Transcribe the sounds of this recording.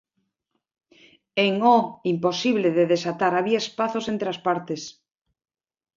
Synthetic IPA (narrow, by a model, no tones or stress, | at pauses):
eŋoimposiβleðeðesat̪aɾaβiaespaθosent̪ɾeaspaɾt̪es